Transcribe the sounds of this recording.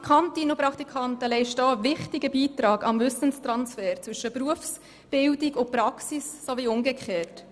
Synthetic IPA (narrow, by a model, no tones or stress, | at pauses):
kʰχɑntinopɾɑkt̪ikʰɑntəlɛɪʃtɑːvɪχtiɡəbiːtɾɑːɡɑmvʏsənst̪ɾɑnsfɛːɾt͡sʋʏʃəpɾuəfs | b̥ɪldiɡʊpɾɑksissoviʊŋɡəkχeːt